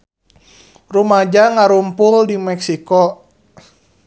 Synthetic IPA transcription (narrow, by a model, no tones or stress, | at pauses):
rumad͡ʒaŋaɾumpuldimɛksikɔ